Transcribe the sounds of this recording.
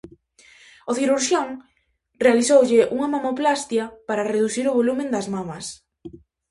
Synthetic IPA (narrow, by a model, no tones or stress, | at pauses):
oθiɾuɾʃjoŋ | realiθowʎɪʔuŋamamoplast̪jɐpaɾareðuθiɾʊβ̞olumẽnd̪azmamɐs